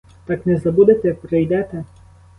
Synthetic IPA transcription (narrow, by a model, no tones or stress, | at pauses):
t̪ɑknɛzɐbud̪et̪ɛpɾejd̪ɛt̪ɛ